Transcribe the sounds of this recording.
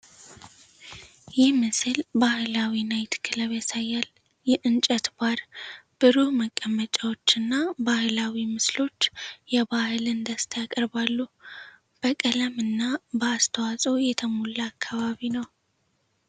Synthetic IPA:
jɪhmɨsɨlbahɨlawinajt̪kʰːɨləβesajːal | jɛʔɨnt͡ʃʼət̪baɾb̥ɨɾuhməkʼːəmːət͡ʃʼawo̞t͡ʃːɨnːabahlawimɨslo̞t͡ʃːjɛβahɨlɨnd̪əst̪ʰajakʼəɾbalːu | b̥əkʼələmɨnːabəːst̪ʰəwasʼo̞jɛt̪ʰəmolːəakʰːaβaβinəw

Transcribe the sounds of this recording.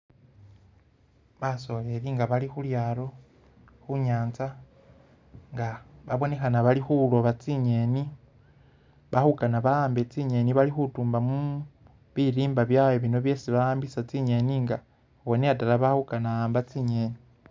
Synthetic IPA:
βaso̞le̞ɾiŋɡaβalixuljaːɾo̞ | xuɲaːnt͡sa | ŋɡaβaβo̞ne̞xanaβalixulo̞βat͡siɲe̞ni | βahukanaβaaːmbet͡siɲe̞niβalixutuːmbamu | βiɾiːmbaβjaweβino̞βje̞ːsiβaaːmbisat͡siɲe̞niŋɡa | woneatalaβahukanaaːmbat͡siɲe̞ni

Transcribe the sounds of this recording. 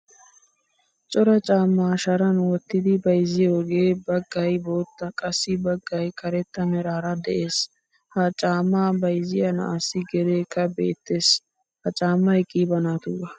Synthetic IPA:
t͡ʃʼɔɾɐt͡ʃʼaːmːaːʃɐɾɐnwɔt̪ːɪd̪ɪbɐjzɪjoːɡe̞ːbɐɡːɐjbo̞ːt̪ːɐkʼɐsːɪbɐɡːɐjkɐɾɛt̪ːɐnɛɾaːɾɐd̪ɛʔeːs | hɐt͡ʃʼaːmːaːbɐjzɪjɐnɐ̰asːɪɡɛɾeːkːɐbḛːt̪ːe̞ːs | hɐt͡ʃʼaːmːɐjkʼiːbɐnaːt̪ʊɡɐ

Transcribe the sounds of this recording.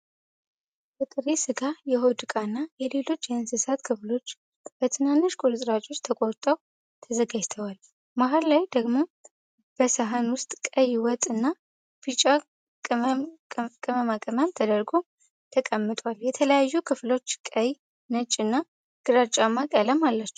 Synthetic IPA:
bət̪ʼɨɾesɨɡajɛɦo̞d̪ɨkʼanːajɛle̞lo̞t͡ʃːjɛhnsɨsat̪kʰɨflo̞t͡ʃː | b̥ət̪ʰɨnanːoʃkʼulɨsʼɾat͡ʃʼo̞t͡ʃːt̪ʰəkʼoɾt̪ʼəw | t̪ʰəzəɡad͡ʒt̪ʰəwal | maɦallajd̪əɡmo | b̥əsaɦanwʊst̪ʼkʼəjwɔt̪ʼɨnːa | b̥it͡ʃʼa | kʼɨməmakʼəməmt̪ʰəd̪əɾɡo̞ | t̪ʰəkʼəmːɨt̪ʼwaljɛt̪ʰələjajːukʰɨflo̞t͡ʃːkʼəj | nət͡ʃʼːɨnːa | ɡ̥ɨɾat͡ʃʼamakʼələmalːat͡ʃːɛ

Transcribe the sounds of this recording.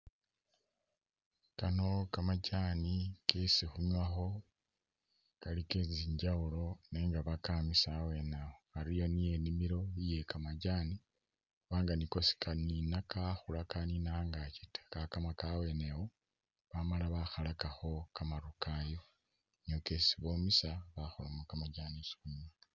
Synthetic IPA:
kano̞kamacanikesixuɲaxo̞ | kalikeziɲɟawulo̞neːŋɡaβakamisawe̞naoaɾijo̞nie̞nimiɾo̞βije̞kamaɟaːni | xuβaːŋɡaniko̞si̥kaninakaxulakaninaŋɡacitḁkakamakawe̞newo | βamalaβaxalakaxo̞kamaɾukajo̞ | nokesiβo̞ːmisaβaxolamokamaɟaːnisi̥xuɲwa

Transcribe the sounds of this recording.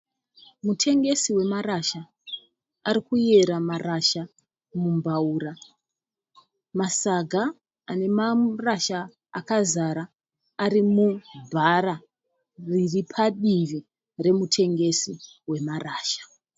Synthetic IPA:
mutʰe̞ŋɡe̞siwe̞maɾaʃa | aɾikuje̞ɾamaraʃa | mumbauːra | masaɡʱa | ane̞maraʃa | a̰kazaɾaː | ɾimubʱaɾa | riripʰaɗimd͡ʒi | re̞mutʰe̞ŋɡe̞si | we̞maraːʃḁ

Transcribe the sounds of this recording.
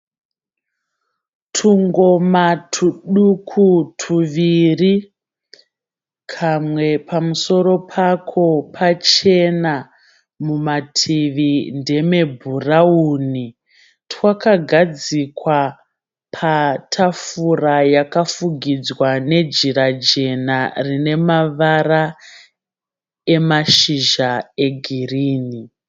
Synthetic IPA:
tʰuŋɡo̞matʰuɗukʰutʰuʋiri | kʰamwe̞pamuso̞ɾo̞pʰakʰo̞pʰat͡ʃe̞na | mumatʰiʋinde̞me̞bʱurauni | tʰwakaɡʱad͡zikwa | pʰatʰafurajakafuɡʱid͡zwane̞d͡ʒiɾad͡ʒe̞narine̞maʋara | e̞maʃiʒae̞ɡʱiriːni

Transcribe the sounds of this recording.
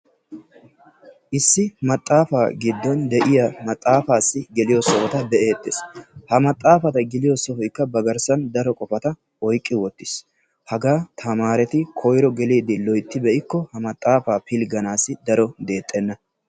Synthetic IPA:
ʔɪsːɪmɐt̪ʼːaːfaːɡɪd̪ːɔnd̪ɛʔɪjɐmɐt̪ʼːaːfaːsːɪɡɛlɪjɔsɔfɔt̪ɐb̪ɛʔe̞ːt̪ːeshɐmɐt̪ʼːaːfɐt̪ɐɡɪlɪjɔsɔhɔjkːɐbɐɡɐɾsɐnd̪ɐɾɔkʼɔfɐt̪ɐ | ɔjkʼːɪwɔt̪ːɪs | hɐɡaːt̪ʰɐmaːɾɛt̪ɪkʰɔjɾɔɡɛliːd̪ɪlɔjt̪ːɪbɛʔɪkːɔhɐmɐt̪ʼːaːfaːpɪlɡɐnaːsɪd̪ɐɾɔd̪e̞ːt̪ʼːɛnːɐ

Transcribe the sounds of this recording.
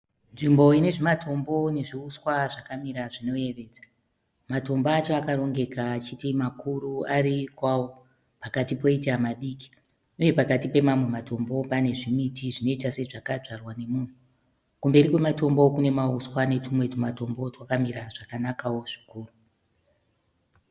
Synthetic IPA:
nʐimbo̞ine̞ʐimatʰo̞mbo̞ne̞ʐiuswaʐakamiɾaʐino̞je̞ʋe̞ːd͡za | mato̞mbaːt͡ʃoakaro̞ŋɡe̞kaːt͡ʃitimakuruaɾikwawo | pakatipo̞itiamaɗiːki̥ | uje̞pakatipe̞mamwe̞mato̞mbo̞pane̞ʐimitiʐino̞itase̞ʐakaʐarwane̞muːn̤u | kumbe̞ɾikwe̞mato̞mbokune̞mauswane̞tumwe̞tumato̞mbo̞twakamiɾaʐakanakawo̞ʐ̥i̥kuːru

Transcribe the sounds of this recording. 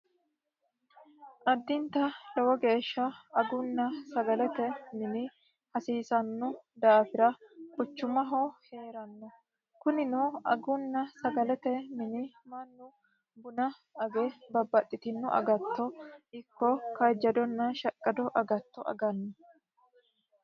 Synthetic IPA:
ʔɐd̪ːɪnt̪ɐlɔwɐɡe̞ːʃːɐɐɡʊnːɐsɐɡɐlɛt̪ɛmɪnɪ | hɐsiːsɐnːʊd̪aːfɪɾɐbʊt͡ʃːʊmɐɦɔhe̞ːɾɐnːɔ | kʊnɪnuɐ̰ɡʊnːɐsɐɡɐlɛt̪ɛmɪnɪmɐnːʊ | bʊnɐ | ɐɡɛbɐbːɐt̪ʼːɪt̪ɪnːʊʔɐ̰ɡɐt̪ːɔɪkːɔkɐd͡ʒːɐd̪ɔnːɐʃɐkʼːɐd̪ɔʔɐɡɐt̪ːɔʔɐ̰ɡɐnːɔ

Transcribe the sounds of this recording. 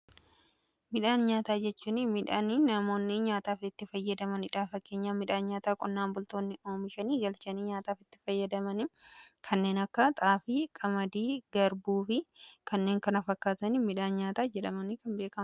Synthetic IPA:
mɪᶑaːnɲaːt̪aːd͡ʒɛt͡ʃːuːnɪmɪᶑaːninɐmo̞ːnːɪɲaːt̪aːfɪt̪ːɪfɐjːɐd̪ɐmɐnɪᶑaːfɐkːe̞ːɲːaːmɪᶑaːnɲaːt̪aːkʼɔnːaːnbʊlt̪o̞ːnːɪʔo̞ːmɪʃɐniːɡɐlt͡ʃɐniːɲaːt̪aːfɪt̪ːɪ̥fɐjːɐd̪ɐmɐnɪkʰɐnːe̞ːnɐkːɐt̪ʼaːfɪkʼɐmɐd̪iːɡɐɾbuːfɪkɐnːe̞ːŋkɐnɐfɐkːaːt̪ɐnimɪᶑaːnɲaːt̪aːd͡ʒɛᶑɐmɐnikɐnbe̞ːkɐmɐ

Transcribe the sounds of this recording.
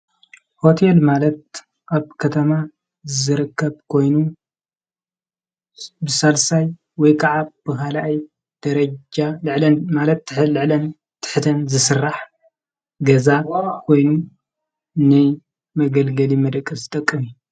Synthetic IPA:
ho̞t̪ʰelmalɐt̪̚ | ʔaβkʰɐt̪ʰɐma | zɨɾɨkʰːɐbkʰo̞jnu | bɨsalsaj | wɔjkʰaʕab̥ɨkalaʔj | d̪̥ɐɾɐd͡ʒalɨʕlɐnmalɐt̪lɨʕlɐn | t̪ʰɨ̥ħt̪ʰɐnzɨsɨrːaħ | ɡɐzakʰo̞jnu | nɨ | mɐɡɐlɡɐlimɐd̪ɐkʼːɐzɨt̪ʼɐkʼːɨmi

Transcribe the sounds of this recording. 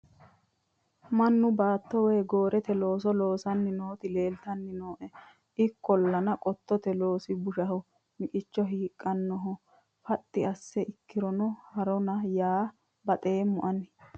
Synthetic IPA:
mɐnːʊbaːt̪ːɔweːɡo̞ːɾɛt̪ɛlo̞ːs̬ɔlo̞ːsɐnːɪnoːt̪ɪleːlt̪ɐnːɪnoːʔɛ | ʔɪkːɔlːɐnɐkʼɔt̪ːɔt̪ɛlo̞ːsɪbʊʃɐhɔ | mɪkʼɪt͡ʃːɔɦiːkʼːɐnːɔɦɔ | fɐt̪ʼːɪɐsːɛʔɪkːɪɾɔnɔhɐɾɔnɐjaː | bɐt̪ʼeːmːʊʔɐnɪ

